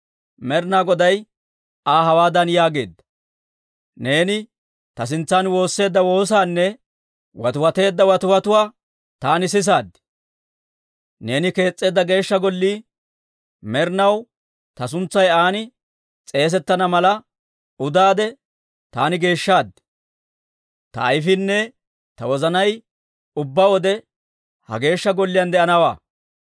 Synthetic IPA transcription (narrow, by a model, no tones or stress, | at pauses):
mɛɾnaːɡɔd̪ɐj | aːɦɐwaːd̪ɐnjaːɡe̞̰ːd̪ːɐ̥ | ne̞ːnɪ | t̪ɐs̬ɪnt͡sːanwo̞ːsːe̞ːd̪ːɐwo̞ːs̬aːnːɛ | wɐ̰t̪ʊwɐt̪e̞ːd̪ːɐwɐt̪ʊwɐt̪ʊwaː | t̪aːnɪs̬ɪs̬aːd̪ːɪ̥ | ne̞ːnɪke̞ːt͡sʼːe̞ːd̪ːɐɡe̞ːʃːɐɡɔlːiː | mɛɾnɐw | t̪ɐs̬ʊnt͡sːɐjaːnɪ | t͡sʼe̞ːs̬ɛt̪ːɐnɐmɐlɐ | ʊd̪aːd̪ɛ | t̪aːnɪɡe̞ːʃːaːd̪ | t̪ɐ̰ːjfɪnːɛ | t̪ɐwɔzɐnɐj | ʊbːɐwɔd̪ɛ | hɐ̰ɡe̞ːʃːɐɡɔlːɪjɐnd̪ɛʔɐnɐwaː